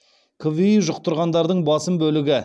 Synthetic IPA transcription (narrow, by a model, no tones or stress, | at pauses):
kʰoviiʒʊq̚t̪ʊɾʁɑnd̪ɑɾd̪əɴbɑsəmbɵlɪɡʲɪ